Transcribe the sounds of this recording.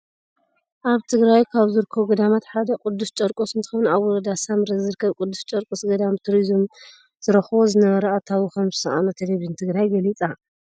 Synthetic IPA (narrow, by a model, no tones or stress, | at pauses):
ʔaβt̪ʰɨɡɾajkʰaβzɨɾkʰːoɡɐd̪amat̪ħad̪ɐkʼʊd̪ːust͡ʃʼɐɾkʼusɨnt̪ʰɨ̥xonuaβːɔɾɐd̪asamɾɐzɨɾkʰɐβkʼʊd̪ːust͡ʃʼɐɾkʼusɡɐd̪amt̪ʰuɾizm | z̥ɨɾɐxβozɨnɐβɐɾɐat̪ʰawikʰɐmzɨsɐʔa̰nɐt̪ʰeleβint̪ʰɨɡɾajɡɐlit͡sʼa